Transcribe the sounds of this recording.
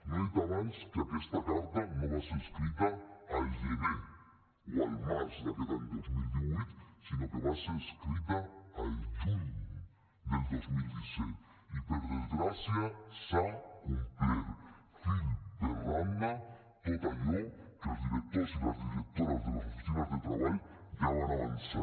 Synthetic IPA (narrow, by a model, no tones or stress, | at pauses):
ɾet̪amenskeakest̪akaɾðanoβaseɾeskɾit̪aalʒeβe | walmazsd̪akeðaeld̪ozmild̪iβujt̪sinokeβaseɾeskɾit̪aaltun | d̪eld̪ozmild̪isɛt̪ | ipeɾðezɡɾasjasaumpeɾ | fild̪erand̪a | t̪ot̪aʎokazd̪iɾek̚t̪osiðazd̪iɾek̚t̪oɾazd̪elasofisinazd̪et̪ɾaβajjaβanaβansa